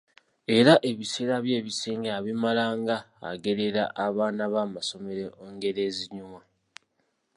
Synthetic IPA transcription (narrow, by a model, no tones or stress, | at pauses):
e̞ɾaʔe̞βise̞ːɾaβje̞ːβiseːŋɡeaβimalaːŋɡa̰ːɡe̞ɾe̞ɾa̰ʔaβaːnaβaːmaso̞me̞ɾeʔoːŋɡe̞ɾe̞ːziɲuma